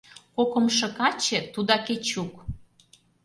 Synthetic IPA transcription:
kokə̆mʃɤ̆kɑt͡ɕĕt̪ud̪ɑket͡ɕuk

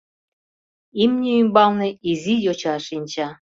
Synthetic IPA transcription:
imnʲeymbɑlnĕizʲijot͡ɕɑʃinʲt͡ɕɑ

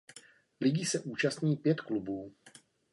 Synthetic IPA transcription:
lɪɟɪsɛʔuːt͡ʃast̪ɲiːpjɛt̪klubuː

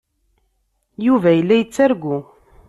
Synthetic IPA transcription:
juvæjəlːæjət͡sːæɾɡʷu

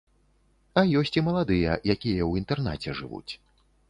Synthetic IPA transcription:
ɐjɔsʲt͡sʲimɐlˠad̪ɨjɐ̰jakʲijɐwint̪ɛrna̰t͡sʲɛʐɨvṵt͡sʲ

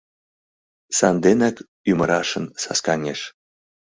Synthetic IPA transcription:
sɑnd̪enɑk | ymə̆ɾɑʃə̆nsɑ̰skɑnʲeʃ

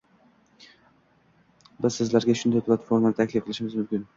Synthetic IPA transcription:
bɪzsɪzlæɾɡʲaʃʊnd̪ajpʰlˠat̪fo̞ɾmanɪt̪ʰakʲlɪfqʰɨlˠɪʃɪmɪzmʏmkʲɪn

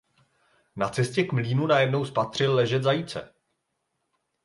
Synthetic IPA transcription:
nat͡sɛscɛkmliːnunajɛdno̞wspat̪r̝̥ɪlːɛʒɛd̪zajit͡sɛ̰

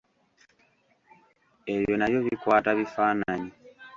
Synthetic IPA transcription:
ɛjɔnajɔβikwataβifanaɲi

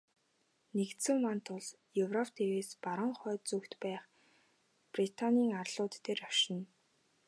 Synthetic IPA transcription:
nekt̪sɘ̆mmant̪ʰʊɮ | jɵwrɔpt̪ʰeweːspaɾə̆ɴχœːt̪t͡sɵkt̪pæːχ | prit̪ʰanʲiːŋarɮʊːt̪ːeːrɔʃɪ̆n

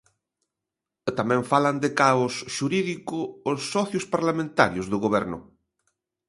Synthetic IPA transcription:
t̪amɛ̃ɱfaland̪ɪkaʊsʃuɾiðikʊːsːɔθjʊspaɾlamẽnt̪aɾjʊzðʊɣoβɛɾnʊ̰

